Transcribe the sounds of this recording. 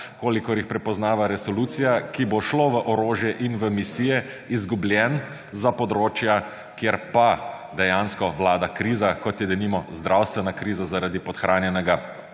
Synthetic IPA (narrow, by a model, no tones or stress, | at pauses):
koːlikɔɾjixpɾɛpɔznaːʋaɾɛsɔlut̪sijakiboʃloʋəʔɔɾoːʒjɛʔinʋəmisiːjɛ | izɡubljɛn | zapɔd̪ɾoːt͡ʃja | kjeɾpa | d̪ɛjanskɔʋlaːd̪akɾiːzakɔt̪jɛd̪ɛnimɔzd̪ɾʔawst̪ʋɛnakɾiːzazaɾad̪ipɔt̪xɾaːnjɛnɛɡa